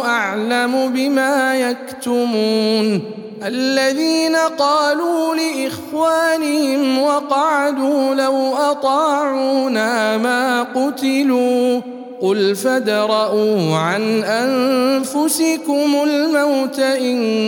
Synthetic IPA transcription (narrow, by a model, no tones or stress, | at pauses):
ʔaʕlamʊbɪmaːjakt̪ʊmuːn | ʔalːaðiːnaqɑːluːlɪʔɪxwaːnɪhɪmwɑqɑʕad̪uːlawʔɑt̪ˤɑːʕuːnaːmaːqʊt̪ɪluː | qʊlfad̪ɾˤɑʔuːʕanʔanfʊsɪkʊmʊlmawt̪aʔɪn